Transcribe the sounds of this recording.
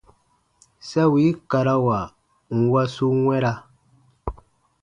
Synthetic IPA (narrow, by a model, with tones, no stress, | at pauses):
sa˦wi˨˦ka˨ɾa˦wa˨ | ŋ̩˨wa˦su˦ŋwɛ˦ɾa˦